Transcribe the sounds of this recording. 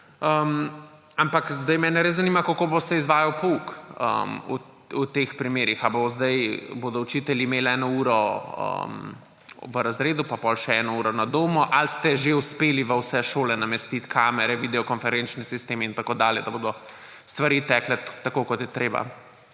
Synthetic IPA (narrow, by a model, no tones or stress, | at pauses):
əm | ampakzd̪ɐjmɛːnɛɾeszɐnimakakoːbosɛizʋaːjawpɔukə̰mṵ | ut̪expɾimeːɾixaboozd̪ɐjboːd̪ɔut͡ʃiːt̪ɛljiːmeːlɛːnɔuːɾɔə̰m | ʋəɾazɾeːd̪upapɔlʃɛɛːnɔuːɾɔnad̪oːmɔʔalst̪ɛʒeuspeːliʋəwsɛʃoːlɛnamɛst̪it̪kʰaːmɛɾɛʋid̪ɛɔkɔnfɛɾɛnt͡ʃnisist̪eːmint̪akoːd̪aːljɛd̪ɐboːd̪ɔ | st̪ʋaɾiːt̪ɛklɛt̪akoːkɔt̪jɛt̪ɾeːba̰